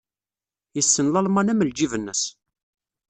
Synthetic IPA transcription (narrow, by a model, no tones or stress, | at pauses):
jəsːənlɑlmɑnæməld͡ʒivənːəs